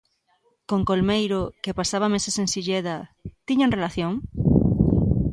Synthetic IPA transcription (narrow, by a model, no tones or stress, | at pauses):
koŋkolmejɾokepasaβ̞ɐmesesensiʎeðɐt̪iɲaŋrelaθjõŋ